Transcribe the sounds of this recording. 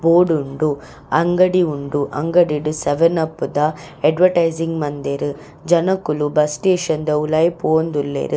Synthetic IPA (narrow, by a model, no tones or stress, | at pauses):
boːɖuɳɖu | ɐŋɡɐɽiuɳɖuʔɐŋɡɐɽiɖuseʋɐnɐpːud̪ɐ | ɐɖʋɐɾʈɐjziŋɡmɐnd̪eɾu | d͡ʒɐnɐkːulubɐsʈeːʃɐnd̪ɐulɐjipoːnd̪ulːḛːɾɨ